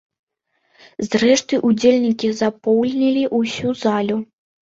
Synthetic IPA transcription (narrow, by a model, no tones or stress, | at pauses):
zɾɛʂt̪ɨʔud͡zʲelʲnʲikʲizapɔwlʲnʲɛlʲiʔusʲuzalʲu